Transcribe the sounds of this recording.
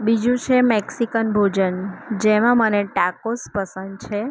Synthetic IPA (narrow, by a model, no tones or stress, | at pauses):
bid͡ʒũt͡ʃʰemeksikənbʱod͡ʒənd͡ʒemãməneʈakospəsənd̪̚t͡ʃʰe